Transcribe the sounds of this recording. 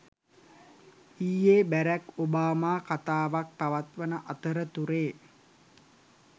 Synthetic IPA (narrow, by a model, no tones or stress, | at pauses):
iːjeːbæɾækobaːmaːkat̪aːʋak̚paʋat̪ʋənəʔat̪əɾət̪uɾeː